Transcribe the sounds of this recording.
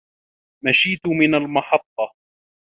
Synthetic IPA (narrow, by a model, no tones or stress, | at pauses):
maʃiːt̪ʊmɪnalmɑħɑt̪ˤːɑ